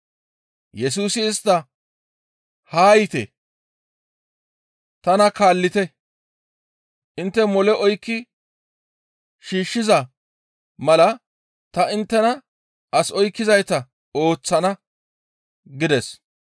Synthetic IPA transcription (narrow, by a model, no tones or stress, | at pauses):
jɛs̬uːsɪːst̪ːɐ | haːjɪt̪ɛ̰ | t̪ɐnɐkaːlːɪt̪ɛ | ʔɪnt̪ːɛmɔlɛʔɔjkːɪ | ʃiːʃːɪzɐ | mɐlɐ | t̪ɐɪnt̪ːɛnɐ | ʔɐsɔjkːɪzɐjt̪ɐ | o̞ːt͡sːɐnɐ | ɡɪd̪ɛs